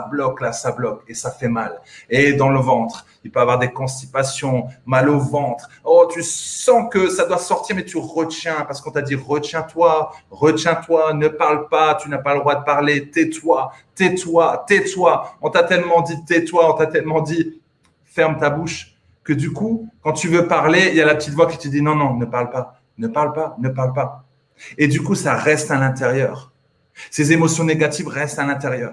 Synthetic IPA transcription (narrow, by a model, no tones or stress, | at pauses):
ablɔklasablɔkesafɛmaled̪ɑ̃ləvɑ̃t̪χ | ilpøavwaʁd̪ekɔ̃st̪ipasjɔ̃malovɑ̃t̪χ | ɔt̪ysɑ̃kəsad̪wasɔʁt̪iʁmɛt̪yʁət̪jɛ̃paʁsə̥kɔ̃t̪ad̪iʁət̪jɛ̃t̪waʁət̪jɛ̃t̪wanəpaʁlpat̪ynapaləd̪ʁwad̪əpaʁlet̪ɛt̪wat̪ɛt̪wat̪ɛt̪waɔ̃t̪at̪ɛlmɑ̃d̪it̪ɛt̪waɔ̃t̪at̪ɛlmɑ̃d̪i | fɛʁmt̪abuʃ | kəd̪ykukɑ̃t̪yvøpaʁleljalapət̪it̪vwakʲi̥t̪əd̪inɔ̃nɔ̃nəpaʁlpa | nəpaʁlpanəpaʁlpa | ed̪ykusaʁɛst̪alɛ̃t̪eʁjœːʁ | sezemɔsjɔ̃neɡat̪ivʁɛst̪alɛ̃t̪eʁjœːʁ